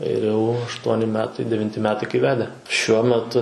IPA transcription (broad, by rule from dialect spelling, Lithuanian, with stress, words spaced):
ɪr jɛʊ ɐʃˈtuɔnʲɪ ˈmʲæːtɐɪ dʲɛʋʲɪnʲˈtʲɪ ˈmʲæːtɐɪ kɐɪ ˈʋʲæːdʲɛ ʃʲuɔ mʲɛˈtʊ